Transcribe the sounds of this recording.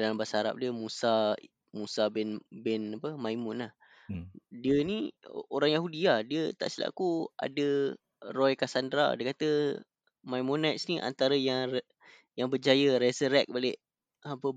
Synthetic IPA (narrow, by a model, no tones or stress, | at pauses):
dalambasaaɾa̰p̚diəmusa | musabɛnbɛnapəmajmʊnlah | diənioɾaŋjaɦudiadiət̪a̰ʔsila̰ʔkua̰də | rɔjkasandɾa̰diəkat̪ə | majmonat̪sniʔa̰nt̪aɾəjaŋ | jaŋbəd͡ʒajəɾɛsəɾɛk̚baleʔ | apə